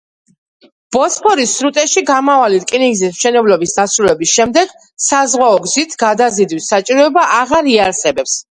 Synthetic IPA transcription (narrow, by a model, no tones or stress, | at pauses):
b̥ɔspʰɔɾisːɾut̪ʼɛʃiɡamavaliɾkʼiniɡzismʃɛnɛblɔbisd̪asɾulɛbisʃɛmd̪ɛɡ̥ | sazʁwaɔɡzit̪ʰɡ̥ad̪azid̪wisːat͡ʃʼiɾɔɛbaʔaʁaɾiaɾsɛbɛps